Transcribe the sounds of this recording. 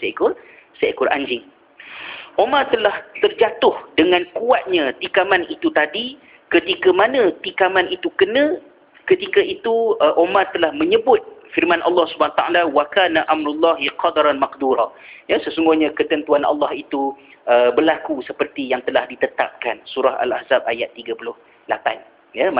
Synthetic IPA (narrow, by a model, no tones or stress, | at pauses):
saikʊr | saikʊrʔa̰ɲd͡ʒɪŋ | ʔomart̪əlaht̪ərd͡ʒat̪ʊhdəŋãnkuat̪̚ɲãt̪ikamanit̪ut̪adi | kət̪ikamanə̃t̪ikamãnit̪ukənə̃ | kət̪ikait̪uəʔomart̪əlahmə̃ɲəbʊt̪̚firmãnʔɑ̰lːɑhsubaat̪aʔalawakanaʔamɾulːɑɦiqɑd̪ɾanmaqd̪uɾɑjasəsuŋɡʊhɲãkət̪ənt̪uanʔɑ̰lːɑhit̪u | ʔəbərlakusəpərt̪ijaŋt̪əlahdit̪ət̪a̰p̚kansuɾaɦa̰la̰hzab̚a̰jat̪ːiɡapulʊh | lapa̰n | ja